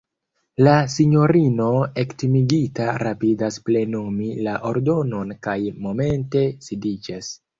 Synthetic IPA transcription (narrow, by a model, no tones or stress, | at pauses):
lasiɲo̞ɾino̞e̞ktimiɡitaɾapidasple̞numilaʔo̞ɾdo̞no̞nkajmo̞me̞nte̞sidid͡ʒas